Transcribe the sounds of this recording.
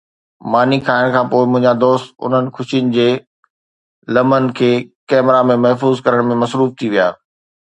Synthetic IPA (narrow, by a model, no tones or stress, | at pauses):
maːnikʰaːɪɽ̃kʰãːpoːɪmʊ̃ɦɪ̃ɲd͡ʑad̪oːst̪ʊ̰n̤ənɪ̆kʰʊʃijənɪ̆d͡ʑeː | lɐmənɪ̆kʰeːkɛːmɾamẽmɐɦfuːzkɐɾəɽ̃mẽmɐsɾuːft̪ʰiʋija̰ː